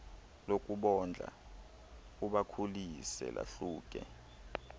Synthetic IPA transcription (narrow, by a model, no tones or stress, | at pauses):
lokʼuɓɔnd͡ɮʱa̰ | uɓakʰulisɛ̰la̰ɬuːk̬ʼɛ